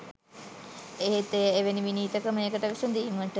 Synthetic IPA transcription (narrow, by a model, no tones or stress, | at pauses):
eɦet̪eeʋeniʋiniːt̪əkəmeːkəʈəʋisɐnd̪iimʋəʈə